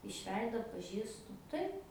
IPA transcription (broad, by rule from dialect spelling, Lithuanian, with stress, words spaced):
ɪʃ ˈʋʲɛɪdoː ɐtpɐˈʒʲiːstʊ ˈtɐɪp